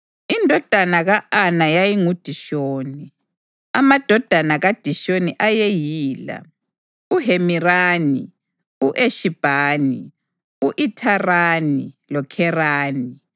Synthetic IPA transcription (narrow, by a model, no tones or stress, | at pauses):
indʱɔd̥ʱanaɣaʔanajajiŋud̥ʱiʃoːni | a̰mad̥ʱɔd̥ʱanaɣad̥ʱiʃoniʔajejiːla̰ | uɦemiraːnḭ | uʔeʃib̥ʱaːni | uʔitʰaraːnilɔkʰɛraːni